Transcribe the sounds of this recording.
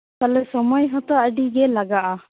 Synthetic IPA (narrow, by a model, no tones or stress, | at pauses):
t̪alɛsɔmɔjɦɔt̪ɔəɖiɡɛlaɡaʔa